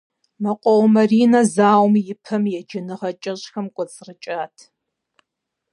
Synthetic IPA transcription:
mɐqʷʼɔwmɐriːnɐzaːwmjɪpʰɐmjɛd͡ʒɪnɨʁɐt͡ʃʼɐɕxɐmkʷʼɔt͡sʼrɨt͡ʃʼaːtʰ

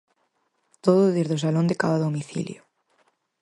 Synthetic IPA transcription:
t̪oðoðiɾðos̬alõnd̪ekaβaðomiθḭljo

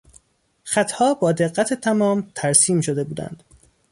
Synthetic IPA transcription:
xæt̪ʰhɒːbɒːd̪e̞ɣːæt̪ʰe̞t̪ʰæmɒːmt̪ʰæɾsiːmʃod̪e̞buːd̪æ̰nd̪̥

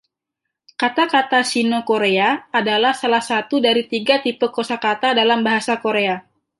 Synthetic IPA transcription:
kat̪akat̪asinokoɾeaːdalahsalahsat̪udaɾit̪iɡat̪ipəkosakat̪adalambaɦasakoɾea

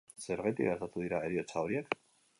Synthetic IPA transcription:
sɛɾʁɛt̪ʼḭaɾt̪at̪ʰʼuiɾaɛɾiɔt͡s̪ʰawɾiakʰ

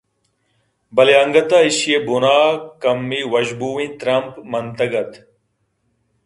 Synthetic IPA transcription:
bɐleɐŋɡɐt̪aːiɕjebunaːkɐmːiwɐʑbuːĩt̪ɾɐmpmɐnt̪ɐɡɐt̪

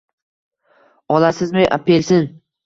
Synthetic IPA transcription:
ɒlasɪzmɪʔa̰pʰelsɪn

